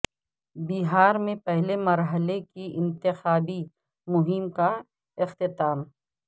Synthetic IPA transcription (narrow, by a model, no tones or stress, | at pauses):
biɦaːɾmẽpɛɦlemɐɾɦəlekiʔɪ̃nt̪ɪxaːbi | mʊɦɪmka | ɪxt̪ɪt̪aːm